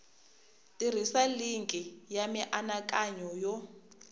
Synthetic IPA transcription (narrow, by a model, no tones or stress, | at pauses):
tʼir̤isaliŋkʼijamiʔanakʼaɲɔjɔ